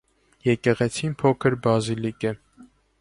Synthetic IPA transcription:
jɛkɛʁɛt͡sʰinpʰɔkʰəɾbɑzilikə

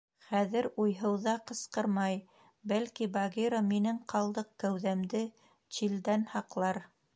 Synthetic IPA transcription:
χæðɘɾujɦɤ̆wðɑqɤ̆sqɤɾmɑj | bælkibaɣʲiɾominɘŋqɑlˠd̪ɤq̚kæwðæmd̪ɘ | t͡ɕild̪ænhɑqlˠɑɾ

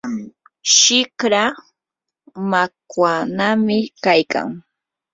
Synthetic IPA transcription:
ʃɪkɾa | makwanamɪkajka̰ŋ

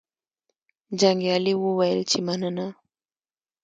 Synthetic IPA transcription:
d͡ʒaŋɡjaliwuwajəlt͡ʃimanəna

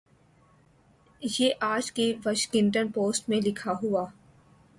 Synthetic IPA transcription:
jeːʔaːd͡ʒkiʋɐʃkɪ̃nʈənpoːsʈmẽlɪkʰaɦuaː

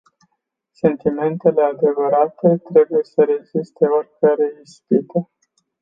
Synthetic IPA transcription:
se̞nt̪ime̞nt̪e̞le̞ad̪e̞vəɾat̪e̞t̪ɾe̞buje̞səɾe̞ɡzist̪e̞orʲkəɾeist̪it̪e

